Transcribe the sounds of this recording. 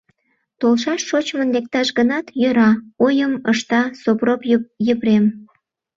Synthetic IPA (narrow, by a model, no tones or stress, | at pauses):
t̪olʃɑʃʃot͡ɕmənlek̚t̪ɑʃɡənɑt̪jøɾɑojəməʃt̪ɑsopropjəβrem